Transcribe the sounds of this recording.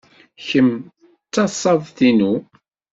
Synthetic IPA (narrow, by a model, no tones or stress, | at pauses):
çəm | t͡sːɑsˤɑðˤθinu